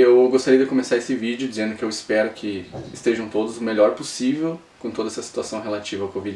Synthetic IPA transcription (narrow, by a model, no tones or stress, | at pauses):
ewɡost̪aɾijɐd̪ɪkõmesaesɪvid͡ʒjʊd͡ʒizẽnd̪ʊkɪewɪspɛɾʊkʰɪɪst̪eʒɐ̃w̃t̪od̪ʊzʊmeʎɔɾposivew | kõt̪od̪ɐɛsɐsi̥t̪uasɐ̃w̃ɦelat͡ʃivɐawkovid͡ʒɪ